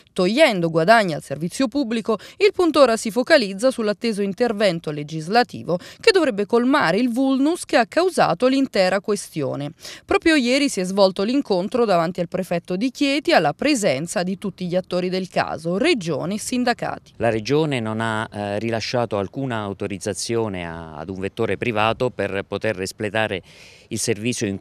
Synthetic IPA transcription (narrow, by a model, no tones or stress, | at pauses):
t̪oʎːɛnd̪oɡwad̪aɲːa̰lservit̪sːjopubːlikoilpunt̪oːɾasifokalid̪zːasulːat̪ːeːzoint̪ervɛnt̪oled͡ʒizlat̪ḭːvok̟ed̪ːovɾɛbːekolmaːɾeilvulnuskeakːawza̰ːt̪olint̪ɛːɾakwest̪jo̰ːnepɾɔːpɾjojɛːɾisiɛzvɔlt̪oliŋkont̪ɾod̪avant̪ialpɾefɛt̪ːod̪ikjɛːt̪ialːapɾezɛnt̪sad̪it̪ut̪ːiʎiat̪ːoːɾid̪elka̰ːzored͡ʒo̰ːnesind̪aka̰ːt̪i̥laɾed͡ʒoːnenonarilaʃːaːt̪oalkuːnaːwt̪oɾid̪zːat̪sːjoːnḛa̰d̪uɱvet̪ːoːɾepɾivaːt̪operpot̪erːisplet̪aːɾe | ilservit̪sːjoiŋ